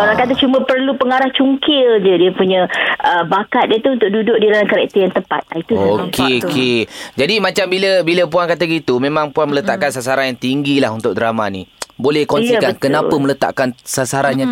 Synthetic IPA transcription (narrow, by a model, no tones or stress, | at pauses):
oɾaŋkat̪̬at͡ʃumə̃pərlupəŋaɾaht͡ʃuŋkɪld͡ʒədiəpuɲə̃əbakat̪̚diət̪uunt̪ʊk̚dudʊk̚diɾalankaɾɛ̰k̚t̪əjaŋt̪əpa̰t̪̚ait̪uokʰeoked͡ʒadimãt͡ʃambiləbiləpuankat̪aɡit̪umẽmãŋpuanmələt̪aʔkansasaɾanjaŋt̪iŋɡilaɦunt̪ʊk̚dəɾamanḭbolɛhkɔnikankənapəmələt̪a̰ʔkansasaɾanjã